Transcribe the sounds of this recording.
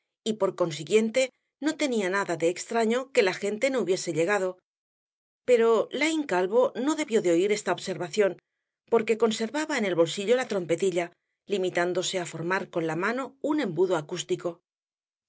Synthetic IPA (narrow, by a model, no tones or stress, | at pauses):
ipo̞ɾko̞ns̬iɣje̞nt̪e̞ | no̞t̪e̞nianaðaðe̞ːkst̪ɾaɲo̞ke̞laxe̞nt̪e̞no̞uβje̞se̞ʎe̞ɣaðo̞ | pe̞ɾo̞lajŋkalβo̞no̞ðe̞βjo̞ðeo̞iɾe̞st̪aoβse̞ɾβaθjo̞n | po̞ɾke̞ko̞nse̞ɾβaβaene̞lβo̞lsiʎo̞lat̪ɾo̞mpe̞t̪iʎa | limit̪and̪o̞se̞afo̞ɾmaɾko̞nlamano̞unẽ̞mbuðo̞akust̪iko̞